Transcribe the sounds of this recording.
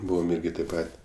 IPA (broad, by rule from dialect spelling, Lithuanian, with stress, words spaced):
ˈbuːʋoːm ˈɪrʲɡʲɪ tɐɪp ˈpɐtʲ